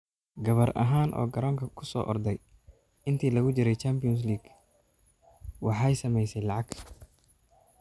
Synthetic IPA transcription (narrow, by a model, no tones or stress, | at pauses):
ɡɐβɐrʔɐ̰ɦaːnʔɔ̰ːɡɐɾɔːŋkʰɐkʰʊ̥sɔ̰ːʔɔrd̪ɛj | ɪnt̪ʰiːlɐɣʊt͡ʃɪɾɛjt͡ʃaːmpɪɔns̬liːɡ̥ | wɑħɑjsɐmɛjsɛjlɑʕɑɡ̥ʰ